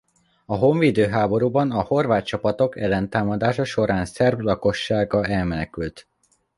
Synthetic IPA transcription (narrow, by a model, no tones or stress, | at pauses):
ɒɦo̞ɱviːd̪øːɦaːbo̞ɾuːbɒnɒho̞rvaːt̪t͡ʃɒpɒt̪o̞kɛlːɛnt̪aːmɒd̪aːʃɒʃo̞ɾaːnsɛrblɒko̞ʃːaːɡɒɛlmɛnɛkylt̪